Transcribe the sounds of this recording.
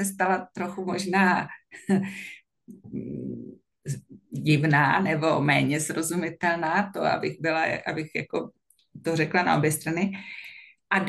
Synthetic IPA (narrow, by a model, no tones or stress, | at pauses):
ɛst̪alat̪ɾo̞xumo̞ʒnaː | ɟɪvnaːnɛbo̞mɛːɲɛzɾo̞zumɪt̪ɛlnaːt̪oa̰bɪxbɪla̰ʔa̰bɪxja̰ko | t̪orɛklana̰ʔo̰bjɛst̪ɾanɪ | ʔad